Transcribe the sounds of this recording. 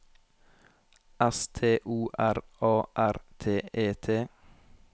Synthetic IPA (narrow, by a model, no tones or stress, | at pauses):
ʔɛst̪ʰeːʔuːʔæɾɑːʔæɾt̪ʰeːeːt̪ʰeː